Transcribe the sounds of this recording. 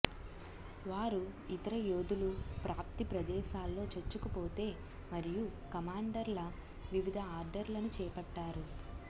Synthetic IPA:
ʋaːɾuit̪ɐɾɐjoːd̪ulupɾaːp̚t̪ipɾɐd̪ɛːʃaːlːo̞ːt͡ʃɐt͡ʃːukupo̞ːt̪e̞ː | mɐɾijukɐmaːɳɖɐɾlɐ | ʋiʋid̪ʱɐaːɾɖɐɾlɐnut͡ʃɛːpɐʈːaːɾu

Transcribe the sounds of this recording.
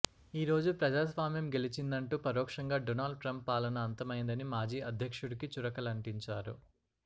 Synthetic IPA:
iːɾo̞ːd͡ʒupɾɐd͡ʒaːsʋaːmjɐmɡe̞lit͡ʃind̪ɐɳʈuːpɐɾɔːkʂɐŋɡaːɖɔnaːlɖ̚ʈɾɐmpːaːlɐnɐːnt̪ɐmɐjnd̪ɐnimaːd͡ʒiːɐd̪ʱjɐkʂuɽikit͡ʃuɾɐkɐlɐɳʈiɲt͡ʃaːɾṵ

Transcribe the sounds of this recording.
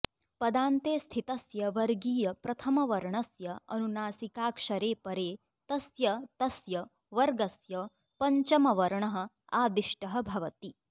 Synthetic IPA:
pɐd̪aːnt̪eːst̪ʰit̪ɐsjɐʋɐɾɡiːjɐpɾɐt̪ʰɐmɐʋɐɾɳɐsjɐɐ̰nunaːsikaːkʂɐɾeːpɐɾeː | t̪ɐsjɐt̪ɐsjɐ | ʋɐɾɡɐsjɐ | pɐɲt͡ʃɐmɐʋɐɾɳɐɦɐ̆ | aːd̪iʂʈɐɦɐ̆bʱɐʋɐt̪i

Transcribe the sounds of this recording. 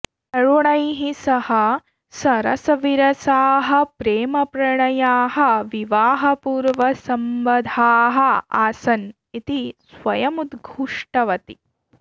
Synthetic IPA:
ɐɭuɳɐjɦisɐhɐ | sɐɾɐ̰sɐʋiɾɐsaːɦɐpɾeːmɐpɾɐɳɐjaːɦɐʋiʋaːɦɐpuːɾʋɐsɐmʋɐd̪ʱaːɦɐa̰ːsɐn | it̪isʋɐjɐmud̪ɡʱuʂʈɐʋɐt̪i

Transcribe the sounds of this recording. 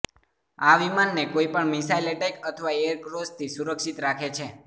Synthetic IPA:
aʋimanːekoipəɳmisaileʈekət̪ʰəʋaeəɾkɾost̪ʰisuɾəkʃit̪ɾakʰet͡ʃʰe

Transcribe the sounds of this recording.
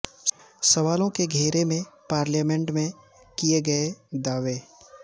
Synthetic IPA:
sɐʋaːlõkeɡʱeːɾemẽpaːɾljaːmɛ̃ɳʈmẽ | kijeɡɐed̪aːʋeː

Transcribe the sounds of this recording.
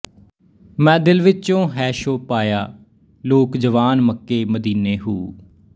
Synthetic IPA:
mɛ̃ːd̪ɪlʋɪt͡ʃõːɦɛːʃoːpaːjaː | loːkd͡ʒəʋaːnməkːeːməd̪iːneːɦuː

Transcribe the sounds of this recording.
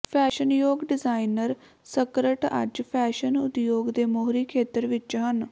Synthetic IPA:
pʰɛːʃənjoːɡɖɪzaːinəɾ | səkɾəʈə̰d͡ʒpʰɛːʃənʊ̰t̪joːɡd̪eːmoːɦɾiːkʰeːt̪əɾʋɪt͡ʃɦən

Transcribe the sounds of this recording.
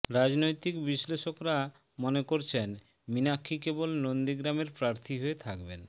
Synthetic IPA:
ɾad͡ʑnojt̪ikbiʃleʃokɾa | monekoɾt͡ɕʰen | minakʰːikebolnond̪iɡɾameɾpɾaɾt̪ʰiɦoet̪ʰakben

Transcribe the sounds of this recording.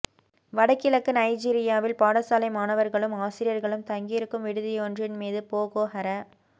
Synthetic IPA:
ʋɐɽɐkːɪlɐkːɯnɐɪd͡ʒiːɾɪjaːʋɪlpaːɽɐsaːlɐɪmaːnɐʋɐɾɣɐɭɯmaːsɪɾɪjɐɾɣɐɭɯmt̪ɐŋɡɪjɪɾɯkːɯmʋɪɽɯðɪjɔndrɪnmiːðɯpoːɣoːɦɐɾɐ

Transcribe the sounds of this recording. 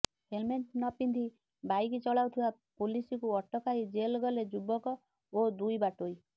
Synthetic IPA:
helmeɳʈnɔpind̪i | bajkit͡ʃɔɭawt̪ʰiba | pulisikuɔʈɔkaid͡ʒelɡɔled͡ʒubɔkɔ | od̪ujbaʈoj

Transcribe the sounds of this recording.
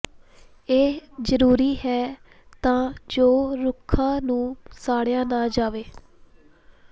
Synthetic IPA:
eːzəɾuːɾiːɦɛː | t̪ãːd͡ʒoːɾʊkʰːãːnũːsaːɽjãːnaːd͡ʒaːʋeː

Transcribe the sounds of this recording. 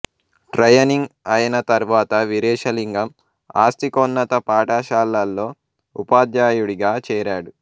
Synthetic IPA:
ʈɾɐjɐniŋɡɐjɐnɐt̪ɐɾuʋaːt̪ɐʋiɾɛːʂɐliŋɡɐm | aːst̪ikɔnːɐt̪ɐpaːʈaːʃaːlːɐlːo̞ː | upaːd̪jaːjuɽiɡaːt͡ʃɛːɾaːɽu

